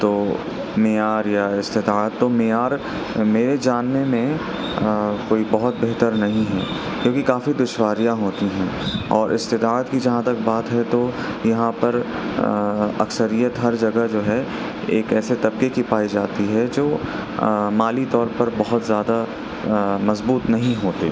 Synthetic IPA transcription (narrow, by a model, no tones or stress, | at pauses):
t̪oː | mejaːɾjaɪst̪ɪt̪aət̪ːomejaːɾ | meːɾed͡ʒaːnːemẽ | koːibɐɦʊt̪̚beɦt̪əɾnɐɦĩɦɛ̰ː | kjõːkikaːfid̪ʊʃwaːɾijaɦoːt̪iɦɛ̃ːɔːɾʔɪst̪ɪt̪aːt̪kid͡ʒɐɦãt̪ɐkbaːt̪ɦɛt̪ojɐɦãpɐɾ | ɐ̰ksəɾijət̪ɦɐɾd͡ʒɐɡad͡ʒoːɦɛ | eːkɛːset̪ɐb̚kekipaːid͡ʒaːt̪iɦɛd͡ʒoː | maːlit̪ɔːɾpɐɾbɐɦʊt̪zjaːd̪a | mɐzbuːt̪nɐɦĩɦoːt̪ḛ